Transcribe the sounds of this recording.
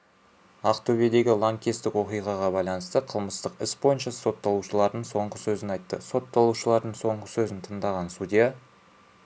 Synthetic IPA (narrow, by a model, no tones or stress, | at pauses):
ɑqt̪ʰɵbe̞d̪e̞ɡʲɪlˠoŋkʲest̪ɪkwo̞qijʁɑʁɑbɑjlˠɑnəst̪əqʰəlˠməst̪əqɪsbo̞jənʃɑso̞t̪ːɑlˠuʃəlˠɑɾd̪əɴso̞ɴʁəsɵzɪnɑjt̪ːəso̞t̪ːɑlˠuʃəlˠɑɾd̪əɴso̞ɴʁəsɵzɪnt̪ʰəɴd̪ɑʁɑnsud̪ija